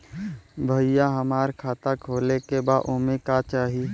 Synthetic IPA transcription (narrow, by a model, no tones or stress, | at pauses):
bʱəɪjaɦəmaːɾkʰaːt̪akʰoːlekebaːʔomekat͡ʃaːɦi